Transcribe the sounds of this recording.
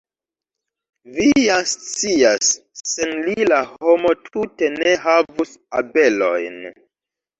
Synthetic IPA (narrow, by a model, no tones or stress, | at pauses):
vijast͡siasːe̞nlilaho̞mo̞tʰute̞ne̞ɦavusabe̞lo̞̰jn